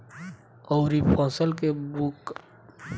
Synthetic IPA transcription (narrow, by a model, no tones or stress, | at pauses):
ɔːɾipʰɔ̃ːsəlkebuk